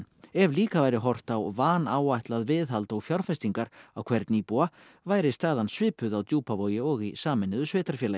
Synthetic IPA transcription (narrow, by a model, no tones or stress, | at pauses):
ɛvliːkavaːjɾɪɦɔr̥t̪awvaːnaːwajht̪laðvɪðɦalt̪ɔɣfjawɾ̥fɛst̪iŋkaɾawkʰvɛɾt̪nipua | vaːjɾɪst̪aːðansvɪːpʏðawt̪juːpavoːwjɪɔɣisaːmɪnːɪðʏsvɪːt̪aɾ̥fjɛːla